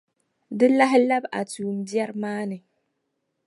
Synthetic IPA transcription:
dɨ˦la˦ɦɪ˦la˦ba̰˨tuː˨m̩˨bjɛ˦ɾmaː˦nɨ˨

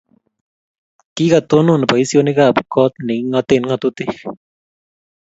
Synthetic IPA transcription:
ki˦ka˨t̪o˦no˦˨n˨pa˨i˦sjo˦nɪ˦ka˦˨pkɔ˦t̪̚nɪ˨ŋŋɔ˧t̪e˨nŋa˧t̪ut̪ɪ˦

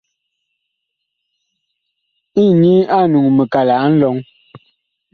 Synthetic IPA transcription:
i˦˨ɲi˦a˦˨nu˨ŋmə˨ka˨la˨ʔn̩˦lɔ˨˦ŋ

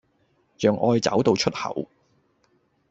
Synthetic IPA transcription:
t͡ʃœː˨˧ŋʔɔː˧jt͡sɐ̰˨˥wt̪o˨˧wt͡ʃʰɵ˥t̚hɐ̰˨˩w

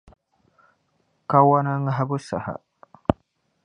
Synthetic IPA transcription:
ka˦wa˦na˦ŋa˦ɦa˦bu˦sa̰˨ha̰˨

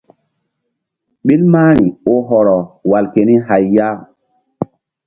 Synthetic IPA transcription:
ɓi˦lmaː˦ɾ̃i˨o˦ɦɔ˨ɾɔ˨wa˨lke˨ni˦ɦa˨jːa˦

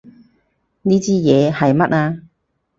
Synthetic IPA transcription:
niː˥t͡siː˥jɛː˨˧hɐ˨jmɐ˥t̚aː˧

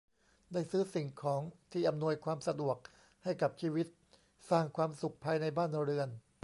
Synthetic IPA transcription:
daː˥˩jsɯː˦˥si˨˩ŋkʰɔː˩˦ŋt̪ʰiː˥˩ʔa˧mnu˧əjkʰwaː˧msa˧du˨˩ək̚ | ha˥˩jka˨˩p̚t͡ɕʰiː˧wi˦˥t̪̚ | saː˥˩ŋkʰwaː˧msu˨˩k̚pʰːaː˧jna˧jbaː˥˩nɾɯ˧ən

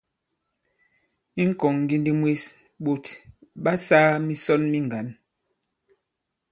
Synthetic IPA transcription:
i˦ŋ̩˦kɔ˨ŋɡi˦ndi˦mwe˦s | ɓo˨tɓa˦saː˦mi˦sɔ˦nmi˦ŋ˨ɡa˨˦n

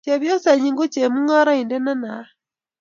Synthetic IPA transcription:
t͡ʃe˨βjɔ˦sa˨ɲi˨ŋɡu˦t͡ʃe˨mu˦ŋɔ˦ɾɔ˦i˨ndɛ˦na˦na˨˦

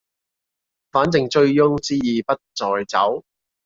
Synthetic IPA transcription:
faː˨˥nt͡sɪ˨ŋt͡ʃɵ˧ɥjʊ˥ŋt͡siː˥jiː˨pɐ˥t̚t͡sɔː˨jt͡sɐ˨˥w

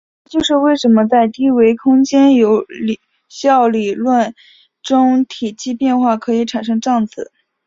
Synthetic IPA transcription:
t͡ɕjo˥˧ʊʂɻ̩˥˧we˥˩ɪʂə˧˥nmə˧t͡sa˥˩ɪt̪i˥we˧˥ɪkʰʊ˥ŋt͡ɕjɛ˥njo˧˥ʊli˨˩ | ɕjɑ˥˩ʊli˨˩lwə˥˩n | ʈ͡ʂʊ˥ŋt̪ʰi˨˩t͡ɕʰi˥pjɛ˥˧nxwa˥˩kʰɤ˧˥i˧˥ʈ͡ʂʰa˨˩nʂ̬ɤ˥ŋʈ͡ʂɑ˥˩ŋt͡sɹ̩˨˩˦

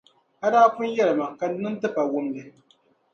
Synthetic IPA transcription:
ha˦daː˦kʊ˦njɛ˦lɨ˨ma˨ŋka˨˦nɨ˦ntɨ˦pa˨wʊ˦mdɨ˨

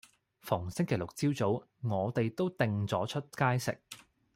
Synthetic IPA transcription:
fʊ˨˩ŋsɪ˥ŋkʰe˨˩jlʊ˨k̚t͡siː˥wt͡so˨˥w | ŋɔː˨˧t̪e˨jt̪o˥wt̪ɪ˨ŋt͡sɔː˨˥t͡ʃʰɵ˥t̚kaː˥jsɪ̰˨k̚

